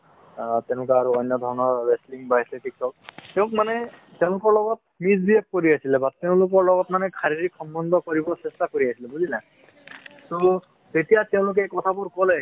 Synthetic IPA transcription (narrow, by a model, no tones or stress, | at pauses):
tɛ̃ʊ̃lʊkaaɹuɔjnjɔdʱɔɹnɔɹɛsliŋbajsɛtik̚tʰɔk̚tɛʊ̃kmanɛ | tɛʊ̃lʊkɔɹlɔɡɔt̚mizbiek̚ːoɹiasilɛbateʊ̃lʊk̬ɔɹlɔɡɔtmanɛkʰaɹidiksɔmbɔndɔkoɹibɔsɛstakoɹiasilɛbuzila | to | zetijateʊ̃lʊk̬ɛkɔtʰabʊɹkɔlɛ